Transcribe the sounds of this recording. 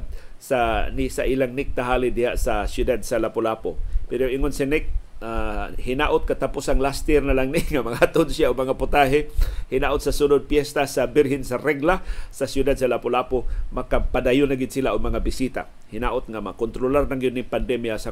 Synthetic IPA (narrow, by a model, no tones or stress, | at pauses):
sanɪsaʔilaŋnɪk̚t̪aɦaːlɪd̪ɪhaʔsasjʊd̪ad̪̚salapolaːpopɪɾoʔɪŋʊnsɪnɪk̚ahɪnaʔʊt̪̚kat̪apusaŋlast̪ɛɾnalaŋnɪŋamaŋahat̪ʊnsjaʊɡmaŋapʊt̪aɦɪhɪnaʔʊt̪̚sasunʊd̪̚pjɛst̪asabɪɾɦɪnsaɾɛɡlasasjʊd̪ad̪̚salapolaːpomakapadajʊnːaɡɪd̪̚silaʔʊɡ̚maŋabɪsit̪a̰ | hɪnaʔʊt̪̚ŋamakont̪ɾolaɾnaŋɡjʊd̪nɪŋpand̪ɛmjasa